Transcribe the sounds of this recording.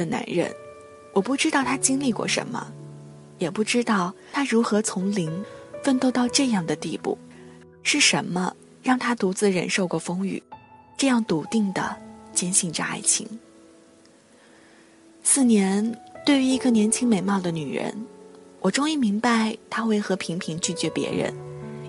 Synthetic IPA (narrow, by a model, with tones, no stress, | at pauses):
d̪ə˨na̰˧˥nɻə̰˥˩n | wʔɔ˨˩pu˥˩ʈ͡ʂɻ̩˥t̪ɑ˥˩ʊt̪ʰa˥t͡ɕi˥ŋli˥˧kwɔ̰˥˩ʂə̰˧˥nmə̰˧ | jɛ˨˩pu˥˩ʈ͡ʂɻ̩˥t̪ɑ˥˩ʊ | t̪ʰa˥ɻu˧˥xɤ˧˥t͡sʰʊ˧˥ŋli˧˥ŋfə˥˧nt̪o˥˧ʊt̪ɑ˥˧ʊʈ͡ʂɤ˥˧jɑ˥˩ŋd̪ə˩t̪i˥˧pṵ˥˩ | ʂɻ̩˥˩ʂə˧˥nmə˧ | ɻɑ˥˩ŋt̪ʰa˥t̪u˧˥t͡sɹ̩˥˩ɻə̰˧nʂo˥˧ʊkwɔ˥˩fɤ˥ŋy̰˨˩˦ | ʈ͡ʂɤ˥˧jɑ˥˩ŋt̪u˧˨˩t̪i˥˩ŋd̪ə̰˩t͡ɕjɛ˥nɕi˥˩ŋʈ͡ʂa̰˥˧a̰˥˩ɪt͡ɕʰḭ˧˥ŋ | sɹ̩˥˩njɛ˧˥nt̪we˥˩ɪy˧˥i˧˥ɡə˥˧njɛ˧˥nt͡ɕʰi˥ŋme˧˩ɪmɑ˥˩ʊd̪ə˩ny˨˩ɻə̰˧˥nwʔɔ˨˩ʈ͡ʂʊ˥ŋi˥˩mi˧˥ŋpa˥˧ɪt̪ʰa˥xwe˥˩ɪxɤ˧˥pʰi˧˥ŋpʰi˧˥ŋt͡ɕy˥˩t͡ɕɥɛ˧˥pjɛ̰˧˥ɻə̰˧˥n